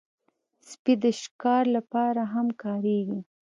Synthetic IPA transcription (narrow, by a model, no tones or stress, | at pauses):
spid̪əʃkɑɾlapɑɾaɦamkɑɾeɡi